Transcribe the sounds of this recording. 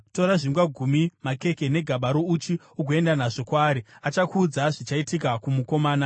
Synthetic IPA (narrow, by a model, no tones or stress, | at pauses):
to̞ɾaʐiŋɡwaɡʱumimake̞ke̞ne̞ɡʱaɓaɾo̞ut͡ʃi | ukoe̞ndanaʐo̞kwaːɾiat͡ʃakuːd͡zaʐit͡ʃaitikakumuko̞maːna